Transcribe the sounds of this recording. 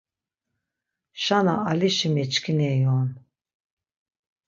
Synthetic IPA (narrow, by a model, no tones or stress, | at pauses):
ʃanaaliʃimɛt͡ʃkʰinɛjɔn